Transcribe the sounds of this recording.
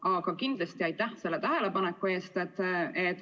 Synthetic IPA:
ɑɡ̥ɑkind̪̥lest̪iɑjt̪ːˑæhse̞lːe̞t̪æɦe̞le̞pɑnekːˑue̞ːst̪et̪ːˑet̪

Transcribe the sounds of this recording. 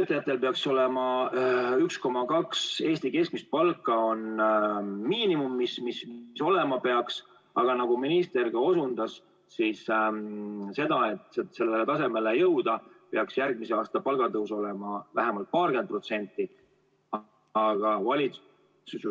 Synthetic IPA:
et̪ːˑejæt̪ːˑe̞lpe̞ɑkso̞le̞mɑ | yksko̞mɑkɑkse̞ːst̪ike̞skmist̪̚pɑlkːˑɑo̞n | miːnimumːismismso̞le̞mɑpe̞ɑks | ɑɡ̥ɑnɑɡ̥uminist̪e̞rɡ̥ɑo̞sund̪̥ɑs | siːs | se̞d̪ɑe̞t̪ˑsese̞lːelet̪ɑse̞me̞le̞jɤwd̪̥ɑpe̞ɑksjærɡ̥̚mise̞ɑːst̪ɑpɑlɡ̥ɑt̪ɤwso̞le̞mɑvæɦemɑlt̪̚pɑːrken̚pro̞t̪se̞nʲt̪ːˑi | ɑɡ̥ɑvɑlʲit̪s | us

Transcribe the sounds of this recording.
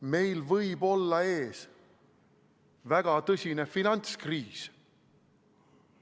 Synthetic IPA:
me̞jlvɤjbo̞lːɑe̞ːs | væɡ̥ɑt̪ɤsʲine̞finɑnt̪skriːs

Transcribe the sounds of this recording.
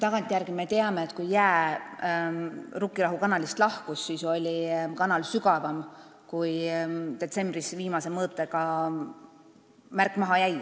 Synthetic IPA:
t̪ɑɡ̥ɑnt̪ʲːˑijærɡ̥ime̞t̪e̞ɑmeet̪ːˑkujjæː | rukːˑiɾɑɦukɑnɑlist̪lɑhkusːiso̞lʲikɑnɑlsyɡɑvɑm | kujt̪e̞t̪se̞mb̥risviːmɑse̞mɤːt̪ːˑe̞kɑ | mærkːˑmɑɦɑjæj

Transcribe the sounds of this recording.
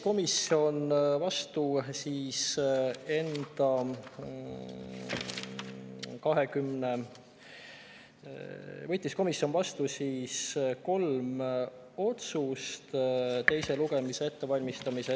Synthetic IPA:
ko̞misio̞nvɑst̪usiːs | e̞nd̪̥ɑ | kɑɦekymne | vɤt̪ʲˑːisko̞misjo̞nvɑst̪usiːsko̞lm | o̞t̪sust̪t̪e̞jse̞luɡ̥e̞mise̞e̞t̪ːe̞vɑlʲmist̪ɑmise

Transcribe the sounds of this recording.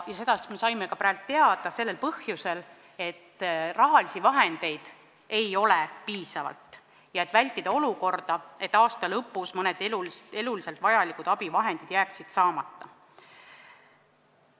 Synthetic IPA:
jɑse̞d̪ɑsme̞sɑjmekɑpɾælt̪ːe̞ɑd̪̥ɑse̞lːe̞lpɤhjuse̞l | e̞t̪ːrɑɦɑlisivɑɦe̞nd̪̥e̞jd̪̥ | e̞jo̞lepiːsɑvɑ̰lt̪ | jɑet̪ːˑvælʲt̪ːˑid̪̥ɑo̞luko̞rd̪̥ɑe̞t̪ːˑɑːst̪ɑlɤpːˑusmɤne̞d̪̥elule̞lulise̞lt̪vɑjɑlikud̪̥ɑb̥ivɑɦe̞nd̪̥id̪̥jæːksid̪̥sɑːmɑt̪ːɑ

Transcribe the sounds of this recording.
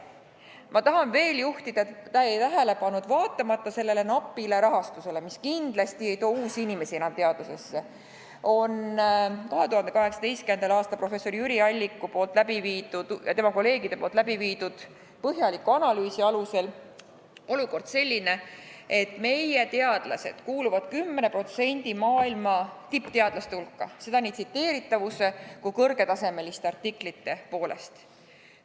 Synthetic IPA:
mʔɑt̪ɑɦɑnve̞ːljuht̪id̪̥ɑet̪t̪ɑejt̪æɦæle̞pɑnːud̪̥vɑːt̪ːˑɑmɑt̪ːˑɑse̞lːe̞le̞nɑpːˑile̞ɾɑɦɑst̪use̞lemiskind̪̥lɑst̪ie̞jt̪o̞ːuːsinime̞sienɑmt̪e̞ɑd̪use̞sːe̞ | o̞nkɑɦe̞t̪uhɑnd̪e̞kɑɦe̞ksɑd̪e̞jst̪kymend̪̥ɑlɑːst̪ɑlprofe̞sːo̞ɾjyɾiɑlʲːikːˑupo̞ːlt̪ːˑlæbiviːd̪ud̪̥jɑt̪emɑko̞lːe̞ːɡid̪̥e̞poːlt̪læbiviːd̪ud̪̥ | pɤɦjɑlikːˑuɑnɑlyːsiɑluse̞l | o̞luko̞rd̪̥se̞lʲːine̞e̞t̪ːˑme̞jje̞t̪e̞ɑd̪̥lɑ̰se̞̰d̪̥kuːluvɑd̪̥kymːne̞pro̞t̪se̞nʲd̪̥imɑːilmɑt̪ipːt̪e̞ɑd̪̥lɑst̪eulkːɑse̞d̪ɑniːt̪sit̪ːe̞ːɾit̪ːˑɑvuse̞kukɤrɡ̥e̞t̪ɑse̞me̞list̪ɑrt̪ːiklit̪ːe̞po̞ːle̞̰st̪

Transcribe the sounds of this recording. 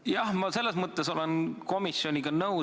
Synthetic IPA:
jɑhmɑse̞lːesmət̪ːˑeso̞lenko̞misˑjo̞nʲiɡɑnɤw

